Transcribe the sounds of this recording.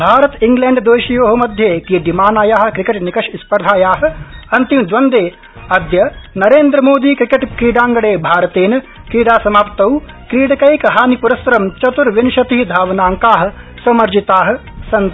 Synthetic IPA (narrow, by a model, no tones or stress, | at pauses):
bʱaːɾɐt̪iŋɡleːɳɖd̪oːʃijoːɦɐ̆mɐd̪ʱjeːk̪ijd̪imaːnaːjaːɦ̆kɾikeʈnikɐʃispɐɾd̪ʱaːjaːɦɐ̆ɐnt̪imd̪ʋɐnd̪eː | ɐd̪jɐnɐɾeːnd̪ɾɐmoːd̪iːkɾikeʈkɾiːɖaːŋɡɐɽeːbʱaːɾɐt̪eːnɐ | kɾiːɽaːsɐmaːpt̪ɐw | kɾiːɽɐkɐjkɦaːnipuɾɐsɾɐmt͡ʃɐt̪uɾʋinʃɐt̪iɦid̪ʱaːʋɐnaːŋkaːɦɐ̆ | sɐmɐɾd͡ʒit̪aːɦɐ̆ | sɐnt̪